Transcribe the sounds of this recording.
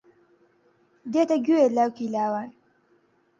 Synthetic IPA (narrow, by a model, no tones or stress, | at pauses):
d̪et̪aɡʲuelawkilaːwan